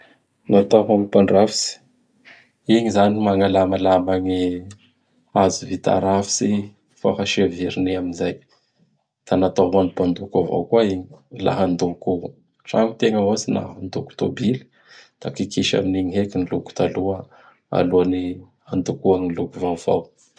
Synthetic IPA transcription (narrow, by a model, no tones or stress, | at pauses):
nat̪aɦamipaɳɖ͡ʐavisi̥ | iɲizanimaŋalamalamaɲi | azuvit̪a̰ɾafi̥si | fafaʃeaviɾineaminzaj | d̪̥anat̪aɦanipand̪ukava̰wkuaiɲi̥la̰ɦand̪uku | ʈ͡ʂa̰ŋut̪eŋəazina̰ɦand̪uku̥t̪obili̥ | d̪̥akikiʃa̰miniɲiɦekiniluku̥t̪aluə | a̰luani | and̪ukuaŋilukuvava̰w